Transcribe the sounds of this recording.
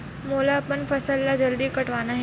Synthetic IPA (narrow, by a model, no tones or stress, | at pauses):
molaːpəɳfəsəlːad͡ʑəld̪iːkəʈʋanaɦe